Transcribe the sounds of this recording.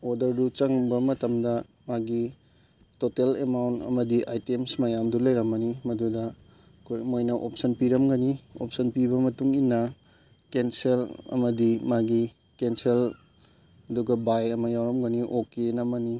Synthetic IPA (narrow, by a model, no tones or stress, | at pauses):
odɐɾdut͡ʃɐŋbɐmɐtɐmdɐ | maɡi | totelemawntɐ̰mɐdiʔajtemsmɐjamdulɐjɾɐmɐnimɐdudɐ | ɐkʰojmojnɐʔop̚sɐnpiɾɐmɡɐnio̰p̚sɐnpiβɐmɐtuŋinːɐ | kenselɐ̰mɐdimaɡi | kensel | ɐduɡɐbajɐmɐjawɾɐmɡɐniʔokenɐmɐni